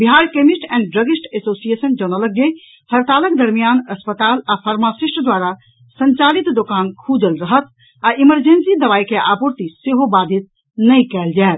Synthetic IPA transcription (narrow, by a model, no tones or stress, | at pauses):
biɦaɾkemisʈɛ̃ːɳɖɖɾəɡisʈesosiesənd͡ʒənələkɡe | həɾt̪aləkd̪əɾmijanəspət̪alapʰəɾmasisʈəd̪waɾa | səɲt͡ʃalit̪d̪okankʰud͡ʒəlɾəɦət̪ | aʔiməɾd͡ʒensid̪əβaikeʔapuɾt̪iseɦobad̪ʱit̪̚ | nəjkɛld͡ʒaet̪